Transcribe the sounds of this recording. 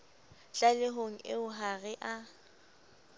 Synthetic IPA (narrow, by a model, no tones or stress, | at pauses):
t͡ɬʼalɪɦoŋ̩ɪ̰ʊɦaɣɪʔa